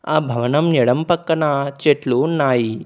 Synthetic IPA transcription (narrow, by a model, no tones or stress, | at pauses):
aːbʱɐʋɐnɐmnɛɽɐmpɐkːɐnɐt͡ʃeʈlunaːji